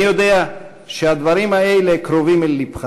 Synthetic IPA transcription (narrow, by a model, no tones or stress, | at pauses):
jod̪ea | ʃead̪vaɾimaejlekɾovimelːipχa